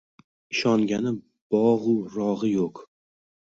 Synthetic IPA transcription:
ɪʃɒŋɡʲanɪ | b̥ɒʁʊɾɒʁɨjoq

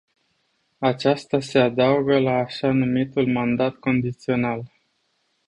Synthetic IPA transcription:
at͡ʃast̪ase̞ad̪auɡəlaːʃanumit̪ulmand̪at̪ko̞nd̪it̪sio̞nal

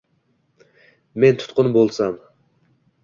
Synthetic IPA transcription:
me̞nt̪ʰʊ̥t̪qʊnbolˠsam

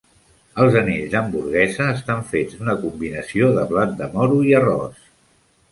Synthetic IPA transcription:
əlˠzəneʎzd̪əmbuɾɣ̞ɛzəːst̪aɱfed͡zd̪unəkumbinəsioðəβlat̪̚d̪əmɔɾuiərɔ̰s

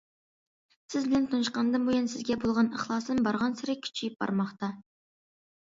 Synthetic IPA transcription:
sɪzbɪlɛnt̪ʰunɨʃqɑnd̪ɨmbojunsɪzɡʲɛbolˠʁɑnəχlˠɑːsnɨmbɑɾʁɑnsɪɾɪkʲʰy̥t͡ʃʰijip̚bɑ̰ɾmɑχt̪ɑ

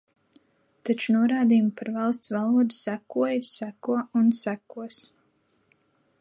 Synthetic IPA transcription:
t̪at͡ʃunuɔɾaːd̪ijumupaɾvɑlˠst̪svɑlˠuɔd̪u̥sækuɔjsækuɔunsækuɔs

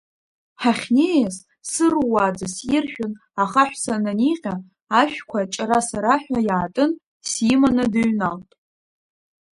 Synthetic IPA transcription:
ħaχʲnejas | sɨrwad͡zasirʃᶣʊn | aχaħᶣʷsananiqʲʼaː | ʃᶣkʷʰat͡ʃʼaɾasaɾaħᶣajaːtʼɨn | sjimanɨdaɥnaltʼ

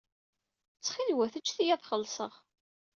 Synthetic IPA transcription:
t͡sːχilwæθət͡ʃːθijæθχəlːsˤəʁ

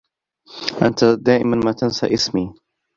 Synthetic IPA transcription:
ʔant̪ad̪aːʔɪmanmaːt̪ansa̰ʔɪsmiː

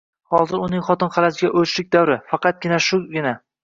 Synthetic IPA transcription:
hɒzɪɾʊnɪŋχɒt̪ɪnqʰɑlasɪɡʲaʔɵt͡ʃlɪk̚ʲd̪awɾɪfɑqɑt̪̚ɡʲɪnaʃʊɡʲɪna

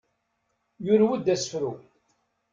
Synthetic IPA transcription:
jʊɾwəd̪ːæsə̥fɾu

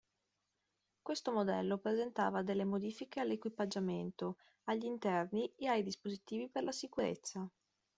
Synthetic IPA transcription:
kwest̪omod̪ɛ̰lːopɾezent̪a̰ːvad̪elːemod̪iːfikealːekwipad͡ʒament̪o | aʎːint̪ɛrnieajd̪ispozit̪iːviperlasikuɾḛt̪sːa

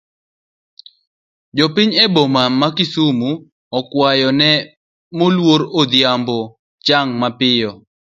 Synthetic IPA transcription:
d͡ʒɔpɪɲebomamakɪsumu | ɔkwajɔnɛ | molwoɾod̪jambɔ | t͡ʃaŋmapɪjɔ

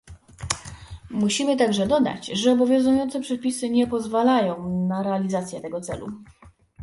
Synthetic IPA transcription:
muɕimɘt̪aɡʐɛd̪ɔd̪a̰t͡ɕʐɛɔbɔvʲjɔ̃w̃zujɔnt̪sɛpʂɛpʲisɘɲɛpɔzvalajɔ̃w̃naɾɛalʲizat̪sʲjɛt̪ɛɡɔt̪sɛ̰lṵ

